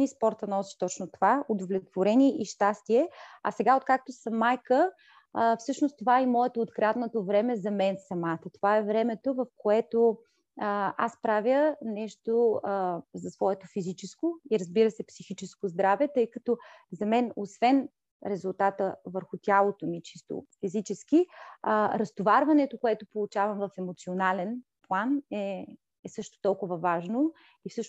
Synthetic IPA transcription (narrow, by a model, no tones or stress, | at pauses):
nispɔɾt̪ənɔsi̥t̪ɔt͡ʃnot̪ovaud̪ovlʲɛt̪voɾɛnʲiɛʔiʃt̪ast̪iɛɐ̰sɛɡaot̪̚kak̚t̪osɐmːajkə | fsɤʃnost̪ːovaɛimɔɛt̪oːt̪kɾat̪not̪ovɾɛmɛzɐmɛnsɐmat̪ət̪ovaɛvɾɛmɛt̪ovɐfkoɛt̪o | aspɾavjənɛʃt̪o | zɐsvɔɛt̪ofizit͡ʃɛskoiɾəzbiɾəsɛpsixit͡ʃɛskozd̪ɾavɛt̪ɤjkɐt̪ɔzɐmɛnosvɛn | ɾɛzulˠt̪at̪əvəɾxʊt̪ʲjalˠot̪omit͡ʃist̪o̰fizit͡ʃɛski | ɾɐst̪ovaɾvɐnɛt̪okoɛt̪opolˠut͡ʃavɐmvɐfɛmot̪sionalɛn | plˠanɛ | ɛsɤʃt̪o̥t̪ɔlˠkʊvəvaʒno | ifsɤʃ